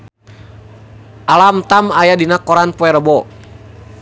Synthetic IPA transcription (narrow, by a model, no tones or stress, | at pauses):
ʔalamt̪amajadinakɔɾanpɔɛɾəbɔ